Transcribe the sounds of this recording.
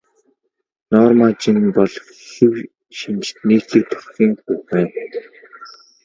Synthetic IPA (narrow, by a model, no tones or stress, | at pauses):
nɔːrmat͡ɕĭnpɔɮ | xiw | ʃint͡ɕt̪niːkt̪ɘ̆k̚t̪ʰʊ̥rxʲiːŋxuxmeː